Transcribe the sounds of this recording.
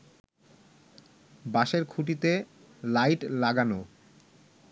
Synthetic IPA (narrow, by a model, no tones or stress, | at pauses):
baʃeɾkʰuʈ̬it̪e | lajʈlaɡano